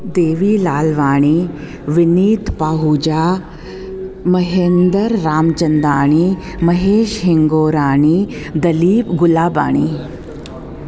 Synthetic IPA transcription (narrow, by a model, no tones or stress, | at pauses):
d̪eːʋiːlaːlʋaːɽ̃i | ʋiniːt̪paːɦuːd͡ʑaː | mɐɦeːnd̪əɾːaːmt͡ʃɐnd̪aːɳ̃i | mɐɦeːʃɦɪŋɡoːɾaːɳ̃iːd̪ɐliːpɡʊlaːba̰ːɳ̃iː